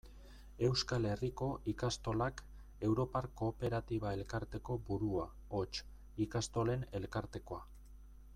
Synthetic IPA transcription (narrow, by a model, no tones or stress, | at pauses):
e̞wskale̞riko̞ʔikast̪o̞lak | e̞wɾo̞parko̞ːpe̞ɾat̪iβ̞ae̞lkaɾt̪e̞ko̞buɾua | o̞t͡ʃ | ikast̪o̞le̞ne̞lkaɾt̪e̞ko̞a